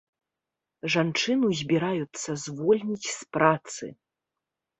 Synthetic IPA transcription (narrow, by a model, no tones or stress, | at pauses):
ʐant͡ʂɨnuzʲbʲiɾajut̪sːɐzvɔlʲnʲit͡sʲspɾat̪sɨ̰